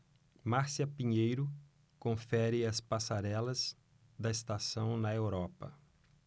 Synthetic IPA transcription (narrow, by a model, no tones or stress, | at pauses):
maɾsiɐpĩɲejɾʊ | kõfɛɾɪɐspasaɾɛlɐz̥ | d̪ɐɪst̪asɐ̃w̃nɐewɾɔpɐ̰